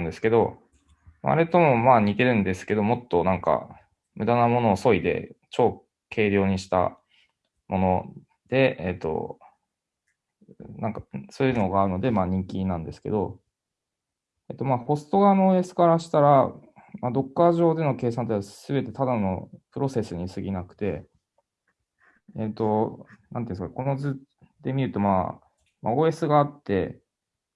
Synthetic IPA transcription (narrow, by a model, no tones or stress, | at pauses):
nd̪e̞sɨ̥ke̞d̪o̞̰ | ma̰a̰ɾe̞t̪o̞mo̞maːɲ̟it̪e̞ɾɯ̟̃nd̪e̞sɨ̥ke̞d̪o̞mo̞t̪ːo̞nãŋka̰ | mʔɯ̟d̪anamo̞no̞ːso̞id̪e̞̰t͡ɕo̞ː | kʰe̞ːɾʲjo̞ːɲ̟iɕi̥t̪a̰ | mʔo̞no̞̰ | d̪̥e̞ːt̪ːo̞̰ | nãŋkaso̞ːjɯ̟no̞ɡaːɾɯ̟no̞d̪e̞maːɲ̟ĩŋkʲinãnd̪e̞sɨ̥ke̞̰d̪o̞̰ | e̞t̪ːo̞maːho̞sɨ̥t̪o̞ɡanooːe̞sɨ̥kaɾaɕi̥t̪aɾamad̪o̞kːaʑo̞ːd̪e̞no̞ke̞ːs̬ãnt̪oasɨbe̞t̪e̞t̪ad̪ano̞̰pɯ̟ɾo̞se̞sɨɲ̟isɨɡʲḭnakɯ̟̥t̪e̞ | et̪ːo̞nʔãnt̪eĩːnskko̞no̞zɨ | d̪̥e̞mʲiɾɯ̟t̪o̞ma̰ː | ma̰oːe̞sɨɡaːt̪ːe̞̰